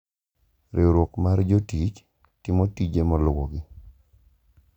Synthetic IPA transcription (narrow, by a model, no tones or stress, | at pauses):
ɾʔeoɾwokmard͡ʒotit͡ʃ | tɪmotid͡ʒemɔlwɔ̰ɡɪ